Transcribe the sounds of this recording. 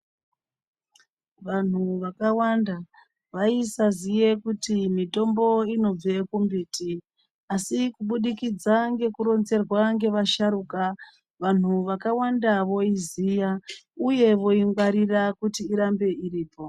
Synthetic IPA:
ʋan̤uʋakawanda | ʋaisazije̞kutimito̞mbo̞ino̞b͡ve̞kumbiːti | asikuɓuɗikid͡zaŋɡe̞kuɾo̞nze̞rwaŋɡe̞ʋaʃaɾuːka | ʋan̤uʋakawandaʋo̞izijauje̞ʋo̞iŋɡwaɾirakutiːɾambe̞iɾiːpo̞

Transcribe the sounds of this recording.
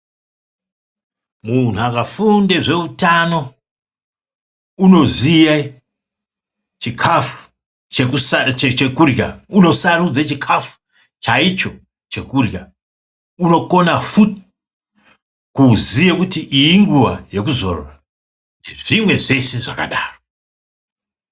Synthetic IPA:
mun̤uakafundeʐe̞utano̞ | uno̞zija | t͡ʃikʰafu̥ | t͡ʃekust͡ʃet͡ʃekurja̰uno̞sarud͡zat͡ʃikʰafu̥ | t͡ʃait͡ʃo̞ | t͡ʃe̞kurja | uno̞ko̞nafut | kuzijekutiʔijiŋɡuwa̰je̞kuzo̞̰ro̰ra | neʐimwe̞ʐe̞se̞ʐa̰ka̰ɗaːro

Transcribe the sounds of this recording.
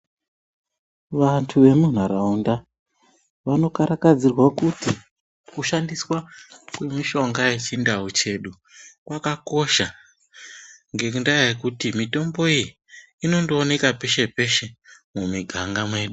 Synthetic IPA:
ʋantʰuʋe̞mun̤aɾaunda | ʋano̞kaɾakad͡zirwakuti | kuʃandiswakwe̞miʃo̞ŋɡaje̞t͡ʃindaut͡ʃe̞ɗu | kwakako̞ʃa | ŋɡe̞kundajajekutimito̞mbo̞iji | ino̞ndoːne̞kape̞ʃe̞pe̞ʃe̞mumiɡʱaŋɡamwe̞ːɗu

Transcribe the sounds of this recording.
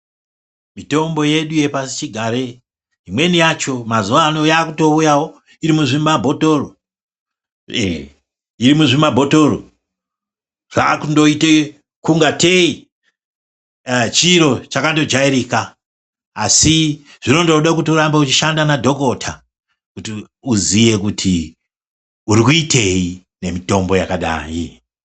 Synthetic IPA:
mito̞mbo̞je̞ɗuje̞pasit͡ʃiɡʱaɾe̞ | ɦimwe̞nijat͡ʃo̞mazuʋano̞jaːkuto̞ujawo̞ | iɾimuʐimabʱo̞toro | iɾimuʐimabʱo̞to̞ro̰ | ʐ̥a̰kundoite | kuŋɡatei | t͡ʃiɾo̞t͡ʃakando̞d͡ʒaiɾiːkaː | si | ʐ̥ino̞ndoɗak̬utiuɾambeut͡ʃiʃandanadʱo̞ko̞tʰa | kuti | uzije̞kutʰi | uɾikuitʰe̞i | ne̞mito̞mbo̞jakaɗa̰ːji

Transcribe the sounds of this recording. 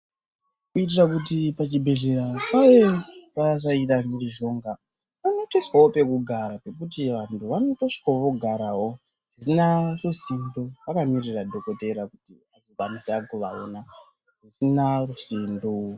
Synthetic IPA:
kuit̬irakutipat͡ʃibʱe̞ɮe̞ɾapajepas̬ait̬amiriʒo̞ŋɡa | pano̞teswaope̞kuɡʱaɾape̞kut̬iʋantʰuʋanotoʂi̥koʋo̞ɡʱaɾawo̞ | ʐisinarosindoʋakamiriradʱo̞ko̞te̞ɾakuti | azoʋamusakuʋa̰ona | ʐisinarusindo

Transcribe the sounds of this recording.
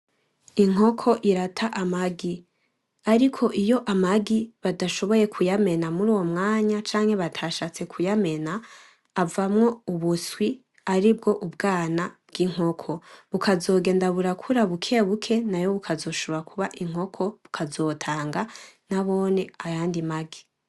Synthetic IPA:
iŋ̥o̞kʰo̞ʔiɾatʰaʔamaɡi | aɾikʰo̞ʔijo̞ʔamaɡiβadaʃo̞βo̞je̞kʰujame̞namuɾuːwo̞mŋaːɲat͡ʃaːŋ̥he̞βatʰaʃat͡sekʰujame̞naː | vamŋo̞uβuswi | aɾibɡo̞ʔubɡaːnab̥̚ɡiŋ̥ɦo̞kʰo̞βukʰazo̞ːɡe̞ːndaβuɾakʰuɾaβukʰeβukʰe̞najo̞βukʰazo̞ːʃuoɾakʰuβaʔiŋ̥o̞kʰo̞βukʰazo̞ːtʰaːŋɡanaβo̞ːne̞ajaːndimaɡi

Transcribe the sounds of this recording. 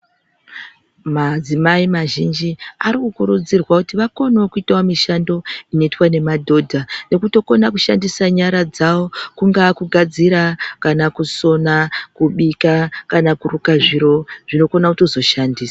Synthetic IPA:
mad͡zimaimaʒind͡ʒiaɾikukuɾud͡zirwakutiʋako̞nookuitawamiʃando̞ino̞itwane̞madʱo̞dʱane̞kuto̞ko̞nakuʃandisaɲaɾad͡zawo̞kuŋɡakuɡʱad͡ziɾakanakuso̞nakuɓikakanakurukaʐiɾo̞ʐ̥ino̞ko̞nautozo̞ʃandiːsḁ

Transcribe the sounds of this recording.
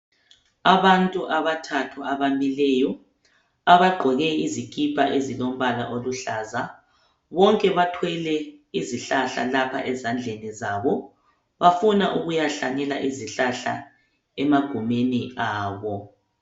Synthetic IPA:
aβantʼuʔaβatʰatʰuaβamilɛjɔ | aβaɡ͡ǃʱɔɣɛizikʼipʰʼaʔezilom̩βala̰ʔoluɬaza | βɔŋkʼɛβatʰwɛlɛiziɬaɬa̰lapʰa̰ʔɛzand͡ɮʱenizaβɔ | βafunaʔuɣujaɬaŋɛlaʔiziɬaɬa̰ | ɛmaɡ̥ʱumeniaːβɔ

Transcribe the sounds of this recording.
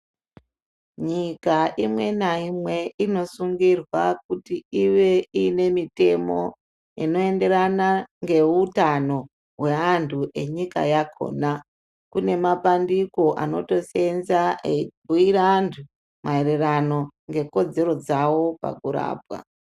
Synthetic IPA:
ɲikaʔimwe̞naimwe̞ino̞suŋɡirwak̚utiiʋeine̞mite̞mo̞̰ | ḭno̞e̞nde̞ɾanaŋɡe̞utano̞ | ɦwe̞antʰuʔe̞ɲika̰jakʰo̰na | kune̞mapandiko̞ʔa̰no̞̰to̞se̞nzaebʱuiɾantʰu | maererano̞ŋɡe̞ko̞d͡ze̞ɾo̞d͡zawo̞pa̰kuɾa̰ːbwa̰

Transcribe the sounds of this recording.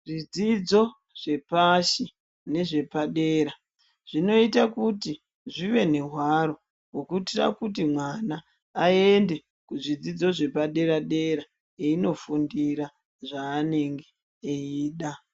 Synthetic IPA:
rid͡zid͡zo̞ | ʐ̥e̞paʃi | ne̞ʐe̞paɗe̞ːɾa | ʐ̥ino̞itakuti | ʐiʋe̞ne̞ɦwaɾo̞ | wokuitira̰kut̬imwanaː | e̞nde̞ | kuʐid͡zid͡zo̞ʐe̞paɗe̞ɾaɗe̞ɾa | eino̞fundiɾa | ʐaːne̞ŋɡe | eiːɗa

